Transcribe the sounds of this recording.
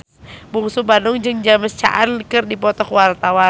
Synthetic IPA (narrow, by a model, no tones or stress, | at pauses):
buŋsubanʊŋd͡ʒɨŋd͡ʒaməst͡ʃa̰ʔankɨrdipɔt̪ɔkwart̪awa